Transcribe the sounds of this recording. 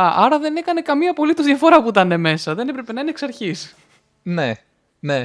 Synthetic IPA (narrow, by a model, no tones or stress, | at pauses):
ɐʔɐɾɐðe̞ne̞kɐne̞kɐmiɐpo̞lit̪ozðʝɐfo̞ɾɐpuit̪ɐne̞me̞sɐðe̞nepɾe̞pe̞nɐineːksɐɾçis | ne | ne